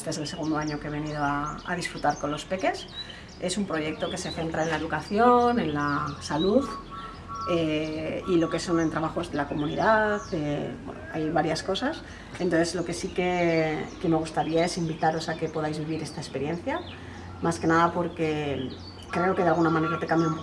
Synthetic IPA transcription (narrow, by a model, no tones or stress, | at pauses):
st̪oes̬e̞lse̞ɣ̞und̪oaɲo̞keeβ̞e̞nið̞oaa̰ðisfɾut̪aɾko̞nlo̞spe̞ke̞s | e̞sumpɾo̞ʝe̞k̚t̪o̞ke̞se̞θe̞nt̪ɾaenlae̞ðukaθjo̞ne̞nlasaluð | eilo̞ke̞so̞nent̪ɾaβaxo̞zðe̞lako̞mũniðaθebwḛno̰a̰jβaɾjasko̞sas | ent̪onθezlo̞ke̞sike̞ke̞me̞ɣ̞ust̪aɾiae̞simbit̪aɾo̞sake̞po̞ðajzβiβ̞iɾe̞st̪aespe̞ɾje̞n̟θja | maske̞naðapo̞ɾke̞ | kɾe̞o̞keealɣunamãne̞ɾat̪e̞kambjaump